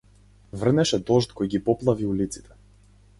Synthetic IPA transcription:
vr̩nɛʃɛd̪ɔʃt̪kɔjɡipɔplˠaviulit̪si̥t̪ʰɛ̥

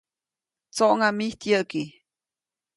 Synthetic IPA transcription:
t͡soʔŋamiht̪jəʔki

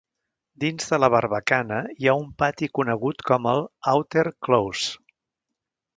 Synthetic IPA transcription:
d̪inzðələβ̞əɾβ̞əkanəiaumpat̪ikunəɣ̞ut̪kɔməlˠawt̪eɾklows

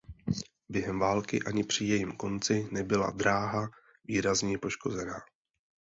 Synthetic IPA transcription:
bjɛɦɛmvaːlkɪ̰ʔaɲɪpr̝̥ɪjɛjimko̞nt͡sɪnɛbɪla̰d̪ɾaːɦa | viːɾazɲɛpo̞ʃko̞zɛnaː

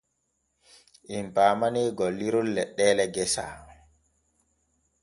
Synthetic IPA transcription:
ʔimpaːmaniːɡɔliɾulːɛɗːɛːlɛɡɛsa̰

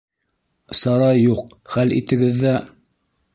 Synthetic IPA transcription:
sɑɾɑjjːuq̚ | χælḭt̪ɘ̆ɡɘðːæ

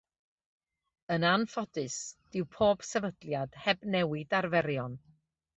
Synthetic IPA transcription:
ənanfɔdɨsd̥ɪwpʰoːb̥sɛvədlˠjad̥hɛbnɛwɪdarvɛɾjɔn

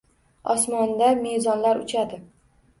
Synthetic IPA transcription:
ɒsmɒnd̪ame̞jzɒnlaɾʊt͡ʃʰad̪ɪ

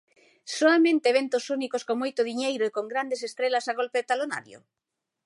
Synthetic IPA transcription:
soamẽnt̪eːβent̪osunikoskoŋmojt̪oðiɲejɾoekoŋɡɾand̪esest̪ɾelasaɣ̞olpeðet̪alona̰ɾjo̰

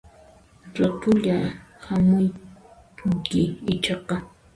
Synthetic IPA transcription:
ʈ͡ʂʊt̪ʊʎahamʊj | ʊŋkɪɪt͡ʃɑqɑ

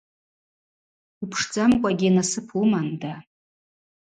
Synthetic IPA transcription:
upʰʂd͡zʼamkʷʼaɡʲinasɨpʰumanda

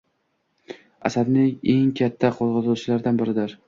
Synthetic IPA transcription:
a̰sad̪nɪe̞ŋkʲʰat̪ʰːaqʰozʁɑt̪ʰʊlt͡ʃɪlaɾd̪anbɪɾɪd̪ɪɾ

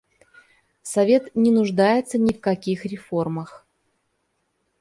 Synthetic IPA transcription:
sɐvʲe̞t̪nʲɪnʊʐd̪ajɪt̪sənʲɪfkɐkʲixɾʲɪfo̞rməx

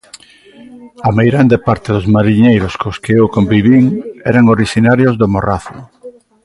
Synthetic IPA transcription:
ɐmejɣɾand̪epaɾt̪eðʊzmaɾiɲejɾʊskoskeewkombiβiŋɛ̰ɾaŋoɾiʃinaɾjozðomoraθʊ

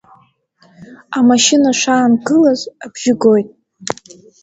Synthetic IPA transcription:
amaʃinaʂaːnɡɨlazabʒɪɡojtʼ

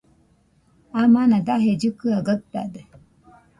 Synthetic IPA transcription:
amanãd̪aɦed͡ʒɨkɯaɡək̚t̪a̰d̪e

